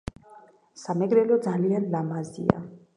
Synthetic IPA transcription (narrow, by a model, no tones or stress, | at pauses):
samɛɡɾɛlɔd̪zalianlamazḭa̰